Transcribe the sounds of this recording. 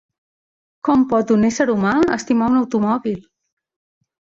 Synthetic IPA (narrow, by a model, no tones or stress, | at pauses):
kɔmpɔt̪unɛsəɾumaəst̪imaunəwt̪umɔβilˠ